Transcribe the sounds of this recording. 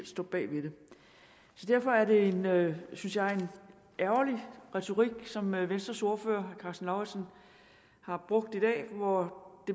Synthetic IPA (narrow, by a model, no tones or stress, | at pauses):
l̰sd̥ɔ̰ːb̥ɛ̰ːʋe̝ɾ̥e̝ | sɒ̽d̥æɐ̰fɒ̽æɐɾe̝e̝nøsynsjɑ̈ɪe̝n | æʊɐliʁɛt͡sʰo̝ʁiɡ̥sɒ̽mʋensd̥ʁɐso̝ɐføːɐkʰɑ̈sn̩lɑ̈ʊæsn | hɑ̈b̥ʁɔ̽ɡ̥̚d̥id̥ɛ̰ːʋɒd̥e̝